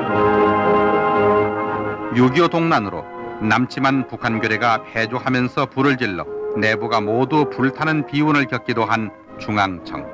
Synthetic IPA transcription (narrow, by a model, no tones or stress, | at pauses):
juɡjodoŋnanɯɾo̰ | namt͡ɕʰimanpukʰanɡjuɾeɡapʰed͡ʑohamjʌnsʰʌpuɾɯɭd͡ʑiɭːʌ̰ne̞buɡamodupuɭtʰanɯnpiunɯɭkjʌt̚k͈idoɦan | t͡ɕuŋaŋt͡ɕʰʌ̰ŋ